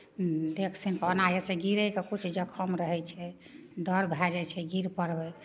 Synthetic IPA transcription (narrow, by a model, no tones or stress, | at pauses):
d̪ekʰsinkənajesẽɡiɾɛjkekut͡ʃʰd͡ʒəkʰəmɾəɦɛt͡ʃʰɛ | ɖəɾbʱɛd͡ʒɛt͡ʃʰɛɡiɾpəɾbɛ